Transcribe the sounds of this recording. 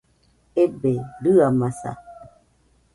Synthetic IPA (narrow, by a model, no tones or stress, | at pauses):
ebeɾɯamasa̰